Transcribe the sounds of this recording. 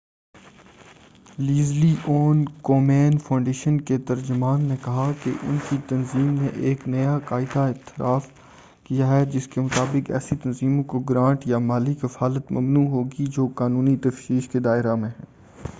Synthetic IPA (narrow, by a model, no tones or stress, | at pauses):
liːzliʔoːnkoːmɛːnfʰãːʊ̃ɳɖeːʃənket̪ɐɾd͡ʒʊmaːnːekɐɦakḛʔʊ̰nkit̪ɐnziːmneʔeːknɐjakaːɪd̪aɪt̪ɪɾʔaːf | kijaɦɛd͡ʒɪskemʊt̪aːbɪkɛ̰ːsit̪ɐnziːmõkoɡɾãːɳʈjamaːlikɐfaːlət̪mɐ̰mnuːɦoːɡid͡ʒoːkaːnũːnit̪ɐfʃiːʃked̪aːɪɾamẽɦɛ̃ː